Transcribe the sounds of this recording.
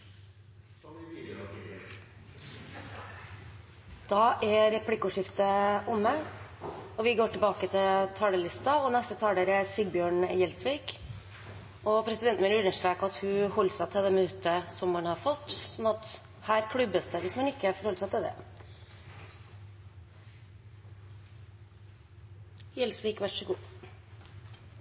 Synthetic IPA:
d̪̥ɑʔæɾɾɛpʰlɪkːʊʂɪft̪əʔʊmːə | ɔʋɪɡoːʈɪlbɑːkət̪ʰɪlt̪ʰɑːɽəlɪst̪ɑɔnɛst̪ət̪ʰɑːɖ̪eɾæɾsɪɡ̚bjøːɳjɛlsʋiːk | ɔpʰɾɛsɪd̪ɛnt̪mɛːnəɾʉnːəʂt̪ɾeːkɑt̪hʉhɔlːsæɪt̪ʰɪld̪ɛmɪnʉt̪ːəsɔmːɑnhɑɾfɔt̪ːsɔnːɑt̪ | hæːɾkʰɽʉbːəsd̪əʋɪsmɑnɪkːəfɔɾhɔlːəsæɪt̪ʰɪld̪ɛ̰ | jɛlsʋiːkʋæʂəɡuː

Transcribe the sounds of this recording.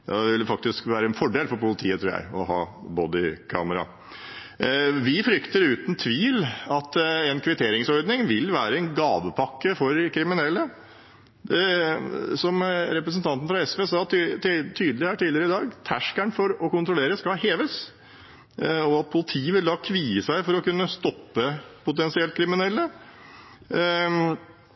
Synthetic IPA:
d̪ɑʋɪlːəfɑk̚t̪ɪskʋæːɾəɛnfɔɖeːlfɔɾpʊlət̪ʰiːət̪ɾuːɾjæ̰ɪɔ̰hɑ̰ːbɔd̪ɪkʰɑ̰ːməɾɑ̰ | ʋɪfɾʏkt̪əɾʉːt̪n̩t̪ʰʋiːlɑt̪ɛnkʰʋɪt̪ʰeːɾɪŋsɔɾd̪nɪŋʋɪlːʋæːɾəɛnɡɑːʋəpʰɑkːəfɔɾkʰɾɪmɪnɛlːə | sɔmɾɛpɾəsnt̪ʰɑnt̪n̩fɾɑɛsʋeːsɑːt̪ʰyːd̪lɪhæːʈiːlɪəɾəɪd̪ɑːɡt̪ʰæʂkæɳfɔɾɔkʊnt̪ɾʊleːɾəskɑlheːʋəs | ɔɑt̪̚pʰʊlɪt̪ʰiːʋɪld̪ɑːkʰʋiːəsæɪfɔɾɔkʉnːəst̪ɔpːəpʊt̪ɛnsɪɛlt̪kʰɾɪmɪnɛlːə

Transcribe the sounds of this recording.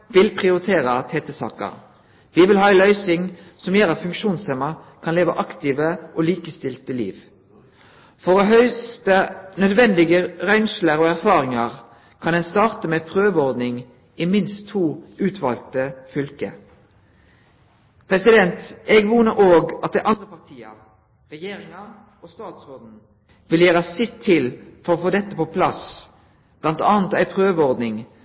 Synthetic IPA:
ʋɪlpʰʁɪʊʁɪt̪ʰeːʁət̪ʰɛːt̪əsɑ̰ːkə̰ʁ | ʋɪːʋɪlhɑːɛlœʏsɪŋsɔmjøːʁɑt̪fʉŋkʃuːnsɛmɑ | kʰɑnleːʋə̰ʔɑkt̪ɪʋəʔoliːkəst̪ɪlt̪əlḭːʋ | fɔʁɔɦœʏst̪ənœd̪ʋɛnd̪ɪɡəʁœʏnsləʁoːæʁfɑːʁɪŋɑʁ | kʰɑnd̪ɛnst̪ɑːʁt̪əmeːpʰʁøːʋəɔʁd̪nɪŋ | ɪmɪnst̪ʰːuːʉːt̪ʰʋɑ̰lt̪əfʏlkə̰ | pʰʁɛsɪd̪ɛnt̪ɛːɡʋuːnəʔoːɡɑt̪̚d̪æɪʔɑnd̪ʁəpɑʁt̪ʰiːɑ̰ | ʁɛjeːʁɪŋɑ | oːst̪ɑːt̪sɔːʁd̪n̩ | ʋɪljæːʁəɑsɪt̪ʰːɪlfɔʁoːfoːd̪ɛt̪ːəpɔpʰlɑs | b̥lɑnt̪ɑːnt̪æɪpʰʁøːʋəɔʁd̪nɪŋ

